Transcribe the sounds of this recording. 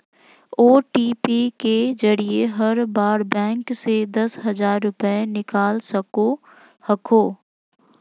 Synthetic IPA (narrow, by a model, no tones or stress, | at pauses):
oːʈiːpiked͡ʒɐɾieɦɐɾbaːɾbɛ̃ːŋksed̪ɐsɦɐzaːɾːʊpənɪkaːlsɐko | hɐkʰoː